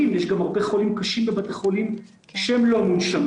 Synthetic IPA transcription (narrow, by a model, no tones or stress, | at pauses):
imjɛʃɡamaʁbeχolimkaʃimbebat̪eχo̞lim | ʃeemlo̞munʃam